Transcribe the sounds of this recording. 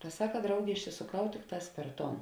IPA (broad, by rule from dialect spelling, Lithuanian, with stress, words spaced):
tɐ ˈsɑːkɐ ˈdrɐʊɡʲeː ɪʃʲsʲɪsoːˈkɐʊ ˈtʲɪkˌtɑːs pʲɛr ˈtoːn